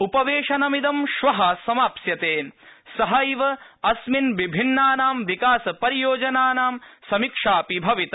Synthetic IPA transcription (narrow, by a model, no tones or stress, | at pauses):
upɐʋeːʃɐnɐmid̪ɐmʃʋɐɦɐsɐmaːpsjɐt̪eːsɐɦɐjʋɐ | ɐsminʋibʱinːaːnaːmʋikaːsɐpɐɾijoːd͡ʒɐnaːnaːmsɐmikʂaːpibʱɐʋit̪ɐ